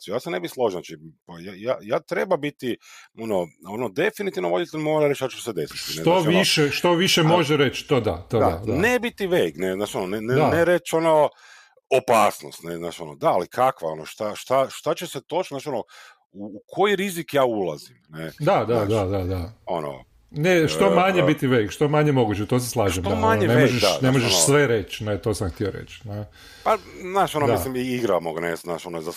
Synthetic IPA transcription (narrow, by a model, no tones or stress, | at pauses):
t͡ʃijaːsene̞bixslˠo̞ʒnat͡ʃipajajaːjaːt̪ɾe̞babit̪ionoo̞nod̪efinit̪iʋnoʋo̞d̪it̪elʲmoːɾaɾe̞t͡ʃat͡ʃused̪e̞si̥t̪inet̪oaʋiʃeʃt̪oʋiʃemoʒeɾet͡ʃt̪od̪a̰t̪od̪ad̪annebit̪iʋejɡneznaːt͡ʃio̞noneneaneɾet͡ʃo̞no | opaːsno̰st̪neznaːt͡ʃio̞nod̪aːlikʰakʋa̰o̞noʃt̪aʃt̪aʃt̪at͡ɕeset̪ot͡ʃ̪naːʃono | uːkʰojiɾizikjaːulˠazimned̪ad̪ad̪ad̪ad̪aono̰ | neʃt̪o̞maɲebit̪iʋejkʃt̪omaɲemo̞ɡuːt͡ɕet̪os̬eslˠaːʒemamaɲneneeoʒeʃnemo̞ʒesʋeɾe̞t͡ʃnet̪oːsamxt̪io̞ɾḛt͡ʃne | paznaːʃonod̪islimiiɡɾamoɡnesnaːʃonoza